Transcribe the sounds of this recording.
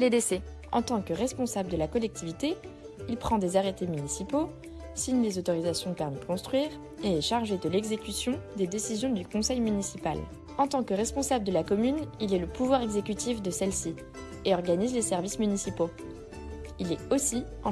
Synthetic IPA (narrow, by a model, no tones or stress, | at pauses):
led̪esɛ | ɑ̰̃t̪ɑ̃kəʁɛspɔ̃sabləd̪əlakɔlɛk̚t̪ʰivit̪e | ilpχɑ̃d̪ezaʁet̪emynisipo | siɲlezot̪ɔʁizasjɔ̃pɛʁmid̪əkɔ̃st̪χɥiːʁ | eɛʃaʁʒed̪əlɛɡzekʲysjɔ̃d̪ed̪esizjɔ̃d̪ykɔ̃sɛjmynisipa̰l | ɑ̃t̪ɑ̃kəʁɛspɔ̃sabləd̪əlakɔmynilɛləpuvwaʁɛɡzekʲyt̪ʰifd̪əsɛlsi | eɔʁɡanizlesɛʁvismynisipo | ilɛosi | ɑ̃